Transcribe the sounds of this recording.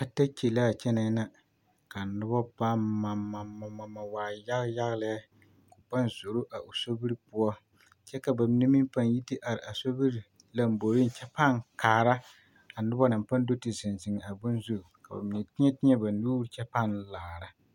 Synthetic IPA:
ka˨ta˦t͡ʃe˨la˦˨t͡ʃɛ˦na˨˦na˨ | ka˨nʊ˦bɔ˦ba˦aː˨a˨a˨ma˨ma˨waː˨ja˦ɣja˦ɣla˨a˦ | kʊ˨pa˦nzo˨ɾo˦ʔa˨ʔo˨so˦bi˦ɾpʊ˦ɔ˦ | t͡ʃɛ˦ka˨ba˨mi˦ni˦mi˦mpa˦nji˦ti˦ʔa˨ɾɪ˨a˨so˦bi˦ɾ | la˦m̩˨bo˨ɾi˦n˨t͡ʃɛ˦pa˦˨ŋkaː˨ɾa˦ | a˨nʊ˦bɔ˦na˨mpa˦n˦do˦tɪ˨zɪ˨nzɪ˨ŋ˨a˨bʊ˦nzu˦˨ka˨ba̰˨mɪ˨nɛ˨tɪ˦ɲɛ˦tɪ˦ɲɛ˦ba˨nuː˦ɾt͡ʃɛ˦pa˦nlaː˨ɾa˨

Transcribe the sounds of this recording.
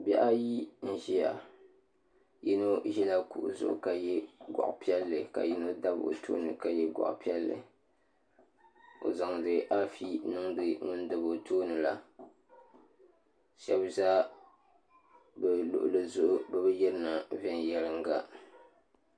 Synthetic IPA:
bɛ̰˦ʔa˦ji˦n̩˦ʒi˦ja̰˨ | ji˦no˦ʒi˦la˦kṵ˨ʔzʊ̰˨ʔʊ̰˨ka˦jɛ˦ɡʷa̰˨ʔpi˦ɛ˦lːɨ˨ka̰˨ji˦no˦da˦bo̰˨tʰo̰ː˦nɨ˨ka˨jɛ˦ɡʷa̰˨ʔpi˦ɛ˦lːɨ̰˨ | o̰˨za˨ŋ˨dɨ˨ʔa˦fi˦nɨ˦ŋdɨ˨ŋʊ˦n˦dɨ˨bo˨toː˦nɨ˨la˦ | ʃɛ˦bzaː˦ | bɛ˨lʊ̰˨ʔʊ˨lɨ˨zʊ˨ʔʊ˦bɛ˨bɨ˦jɛ˦ɾɨ˦na˨vɛ˦njɛ˦lɨ˦ŋɡa˦

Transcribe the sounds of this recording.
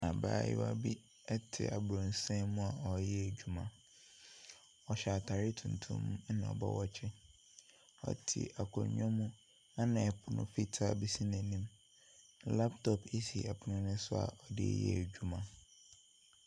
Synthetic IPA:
a˨ba̰ː˦˨jɪ̰˦wa̰˦bi˦ | ɛ˦tʰɪ̰˨a˨bɾɔ̃˨n˨sɛ̃˦mũ˦a˨ɔ˨˦jɛ˦æ˨d͡ʑᶣu˨mã˨ | ɔ˨ɕa˨tʰa˨ɾɪ˦tʰũ˨n̩tʰṵ̃˦m̃˦nã˨ɔ̰˨bɔ̰˦wɔ˦t͡ɕʰɪ˦ | ɔ̰˨tʰḭ˨ʔa˨kʰɔ̰̃˨ɲɔ̃˦mũ˦ | a˦nã˨ɛ˨pʰʊ˨nʊ̰̃˦fi˦tʰa˦bi˦si˦nɛ̃˨nĩ˦m | la˦ptʰɔ˨pʰi˦si˨ɛ˨pʰʊ˨nʊ̃˦nɪ̃˦sʊ˦a̰˨ʔɔ˨dɪ̰˦jɛ̰˦æ˨d͡ʑᶣu˦mã˨

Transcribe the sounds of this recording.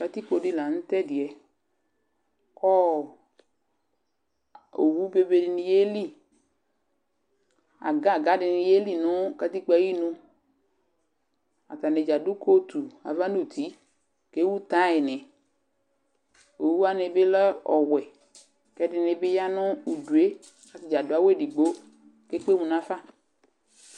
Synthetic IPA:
ka˧ti˦ko˨˧dɪ˦la˨n̩˦tɛ˦dɪ˨ɛ˨ | kɔ˦ | o̰˨wu˦be˦be˧dɪ˧nɪ˧je˦li˦˨ | a̰˨ɡa˦˨ɡa˦dɪ˨nɪ˧je˦li˦˨nʊ˦ka˧ti˦k͡pa˨˦ji˦nʊ˧ | a̰˨t̪a˨nɪ˨d͡ʒa˨dʊ˦kʰo˦t̪u˨a̰˨va˦nu˦˨t̪ʰi˨˦ | ke˦wu˦t̪a˦ɪ˨nɛ˨ | o˨wu˦a˦nɪ˨bɪ˦lɛ˦ɔ˨wɛ˨ | kɛ˦dɪ˨nɪ˨bɪ˦ja˦nʊ˦u˨du˨e˦ | ka˨t̪ɪ˨d͡ʒa˨dʊ˦a˦we˦˨di˨ɡ͡bo˦ | ke˦k͡pe˦mũ˨nã˨˦fa˦˨

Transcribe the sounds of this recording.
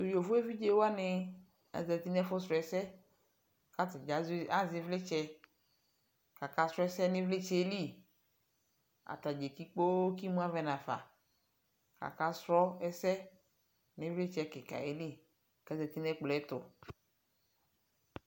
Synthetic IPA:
to˨ji˨o˨vo˦e˦vi˦d͡ʒe˦wo˦a˦nɪ˦ | a̰˨zɛ˨t̪i˦nɛ˦fʊ˦sɾɔ˨˦ɛ˨sɛ˦ | ka˦tɪ˨d͡ʒa˨˦za˦zɪ˨vlɪ˦t͡ʃɛ˦ | ka˨ka˦sɾɔ˦ɛ˦sɛ˦nɪ̃˦vlɪ˦t͡ʃɛ˦li˦˨ | a̰˨t̪a˨d͡ʒe˨ki˦k͡po˦ki˦mũ˦a˦vɛ˦nã˨fa̰˨ | ka̰˨ka˦sɾɔ˦ɛ˦sɛ˦ | nɪ̃˦vlɪ˦t͡ʃɛ˦kɪ˨ka̰˨e˦li˦ | kɛ˦zɛ˨t̪i˦nɛ˦k͡plɔ˨ɛ˦t̪ʊ̰˨

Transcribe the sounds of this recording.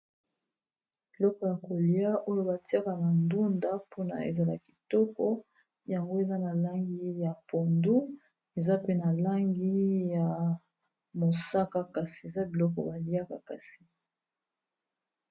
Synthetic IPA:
b̥i˨lɔ˦kɔ˨ja˨ko˨li˦a˦ʔo˦jo˦ba˨ti˦a˦ka˨na˨ndu˦nda˦po˦na̰˨ḛ˨za˨la̰˨ki̥˨tɔ˦kɔ˦ | ja˨ŋɡo˦e˨za˦na˨la˦ŋɡi˦ja˨po˨ndu˦ | e˨za˦pe˦na˨la˦ŋɡi˦ja˨ | mo˨sa˦ka˦ka˨si̥˨e˨za˦bi˨lɔ˦k̬ɔ̰˨ba˨li˦a˦ka˨ka̰˨si˦

